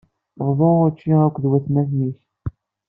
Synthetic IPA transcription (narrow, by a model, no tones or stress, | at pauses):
ʁðˤoʁʊt͡ʃːiækʷːðwæθnæθniç